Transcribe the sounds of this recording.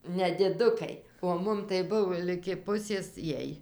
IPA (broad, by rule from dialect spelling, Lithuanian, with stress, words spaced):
nʲɛdʲɪˈdʊkɐɪ oː ˈmʊm tɐɪ ˈbʊʋoː lʲɪɡʲɪ ˈpʊsʲeːs ˈjiɛj